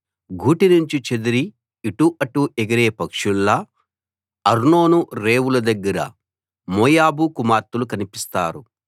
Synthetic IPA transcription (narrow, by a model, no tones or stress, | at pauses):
ɡʱuːʈinuɲt͡ʃit͡ʃed̪iɾiː | ʈuʔɐʈːueɡɐɾeːpɐkʂulːɐ | ɐɾno̞ːnuɾe̞ːwulɐd̪ɐɡːɐɾɐ̰ | moːjaːbukumaːɾt̪ulukɐnipist̪aːɾu